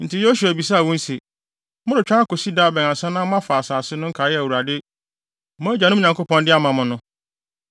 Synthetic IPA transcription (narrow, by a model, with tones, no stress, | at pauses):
n̩˨tɪ˨jo˦ɕu˨æ˨bi˨s̬a˦a˨wʊ̃˦n̩˦se˨ | mʊ̃˦ɾʊ˨t͡ɕᶣã˦a˦ko˨si˦da˦˨bɛ̃˨ŋ˨ã˨sɛ̃˦nã˦mã˦fa˨a˨saː˨sɪ˦nʊ̃˦ŋ̩˦kʰa˨˦jɛ˦æ˨wu˨a˨dɪ˦ | mã˦d͡ʑã˨nʊ̃˦ɲã˨ŋko˦pɔ̃˦ndɪ˦a˦mã˨mʊ̃˨nʊ̃˦